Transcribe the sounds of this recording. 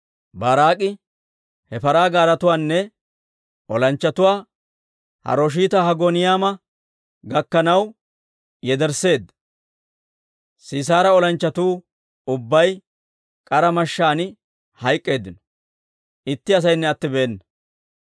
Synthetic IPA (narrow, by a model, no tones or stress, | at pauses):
baːɾaːkʼɪ | hɛfɐɾaːɡaːɾɐt̪ʊwaːnːɛ | ɔlɐnt͡ʃːɐt̪ʊwaː | hɐ̰ɾoːʃ̬iːt̪ɐhɐɡoːnɪjaːmɐ | ɡɐkːɐnɐw | jɛd̪ɛɾse̞ːd̪ːɐ̥ | siːs̬aːɾɐɔlɐnt͡ʃːɐt̪uː | ʊbːɐj | kʼɐɾɐmɐʃːaːnɪ | hɐjkʼːe̞ːd̪ɪnɔ̥ | ʔɪt̪ːɪɐs̬ɐjnːɛɐt̪ːɪbeːnːɐ